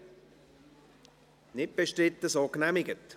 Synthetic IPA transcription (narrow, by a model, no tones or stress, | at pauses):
nɪt̚b̥ɛʃtrɪt̪ːəsɑːknæmɪɡət̪